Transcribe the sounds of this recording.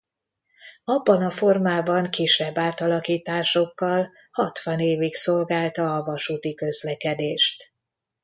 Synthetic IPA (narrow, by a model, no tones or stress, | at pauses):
ɒbːɒnɒfo̞rmaːbɒŋkiʃːɛbːaːt̪ɒlɒkiːt̪aːʃo̞kːɒl | hɒt̪ʋɒneːvikso̞lɡaːlt̪ɒːvɒʃuːt̪ikø̞zlɛkɛd̪eːʃt̪